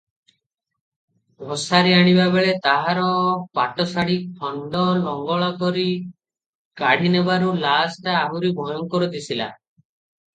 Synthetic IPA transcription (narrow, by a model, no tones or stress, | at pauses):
ɦosaɾiaɽ̃ibabeɭet̪aɦaɾɔpaʈɔsaɽik̚pʰɔɳɖɔlɔŋɡɔɭɔkɔɾi | kaɽ̤inebaɾulasʈaːɦuɾibʱɔjɔŋkɔɾud̪isʰila̰